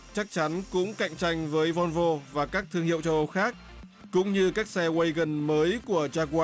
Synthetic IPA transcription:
t͡ɕa˦˥k̚t͡ɕa˨˦nkʊ̰˧˥ŋ͡mka̰˧˨jŋ̟t͡ɕa˧jŋ̟vəː˨˦jvɔ˧nvo˧vaː˨˩kaː˦˥k̚t̪ʰɨ˧əŋhḭ˧˨ə˨wt͡ɕə˧wʔə˧wxaː˦˥k̚ | kʊ̰˧˥ŋ͡mɲɨ˧kaː˦˥k̚sɛ˧we˧jɣə˨˩nməː˨˦jku˧˩ət͡ɕaː˧kwaː˧

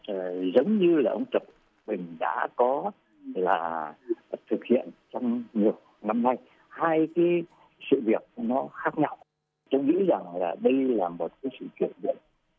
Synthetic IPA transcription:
əː˨˩zə˨˦wŋ͡mɲɨ˧laː˨˩ʔə˧wŋ͡mt͡ɕə˨˩wk͡p̚ | ɓï˨˩ŋ̟ɗa̰ː˧˥kɔ˨˦ | laː˨˩ | t̪ʰɨ˨˩k̚hḭ˧˨ənt͡ɕɔ˧wŋ͡mɲi˨˩ək̚na˧mna˧j | haː˧jkaː˨˦j | sɨ̰˧˨vi˨˩ək̚nɔ˨˦xaː˦˥k̚ɲa˧w | t͡ɕə˧wŋ͡mŋḭ˧˥za˨˩ŋlaː˨˩ɗə˧jlaː˨˩mo˨˩t̚kaː˨˦jsɨ̰˧˨t͡ɕwḭ˧˩ənvḭ˧˩˨n̚˦

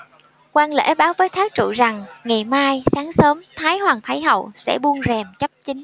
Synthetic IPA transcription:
kwaː˧nlḛ˧˥ɓaː˨˦wvəː˨˦jt̪ʰaː˦˥k̚t͡ɕṵ˧˨za˨˩ŋŋa˨˩jmaː˧jsaː˨˦ŋsəː˨˦mt̪ʰaː˨˦jhwaː˨˩ŋt̪ʰa˨˦jɦə̰˧˨wsɛ̰˧˥ɓu˧ənzɛ˨˩mt͡ɕə˦˥p̚t͡ɕï˨˦ŋ̟

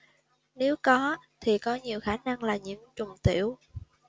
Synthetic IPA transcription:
ne˨˦wkɔ˨˦t̪ʰi˨˩kɔ˨˦ɲi˨˩əwxaː˧˩na˧ŋlaː˨˩ɲḭ˧˥əmt͡ɕʊ˨˩ŋ͡mt̪ḭ˧˨əw

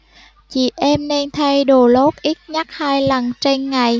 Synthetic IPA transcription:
t͡ɕḭ˧˩˨ʔɛ˧mne˧nt̪ʰa˧jɗo˨˩lo˦˥t̚ʔi˦˥t̚ɲa˦˥t̚haː˧jlə˨˩nt͡ɕe˧nŋa˨˩j

